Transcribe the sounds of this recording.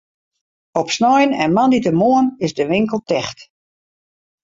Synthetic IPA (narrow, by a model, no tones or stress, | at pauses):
ɔpsnɔjənɛnmanditəmoənɪzdəʋɪŋkəlˠtɛxt